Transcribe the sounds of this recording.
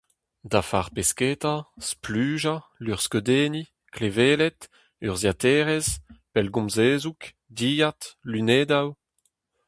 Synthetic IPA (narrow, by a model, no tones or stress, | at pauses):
d̪afaʁpeskeːt̪asplyːʒalyʁskød̪eːni | kleveːlɛt̪ | yʁzjat̪ɛːʁɛzpɛlɡɔ̃mzeːzuk | d̪iːjat̪lyneːd̪aw